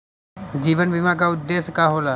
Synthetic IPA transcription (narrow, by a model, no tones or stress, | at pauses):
d͡ʒiːʋənbimak̬aʊd̪ːeːskaɦoːla